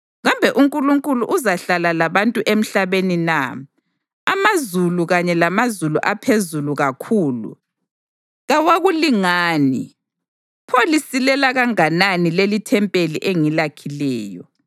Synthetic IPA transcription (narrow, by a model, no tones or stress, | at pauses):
ɣambʱɛʔuŋkʼuluŋkʼuluʔuzaɬalalaβantʼuʔem̩ɬaβenina | amazuluɣaɲɛlamazulṵʔapʰezuluɣakʰuːlṵ | ɣawaɣuliŋaːni | pʰolisilɛlaɣaŋananilelitʰɛmpʼeliʔeŋilakʰilɛːjɔ̰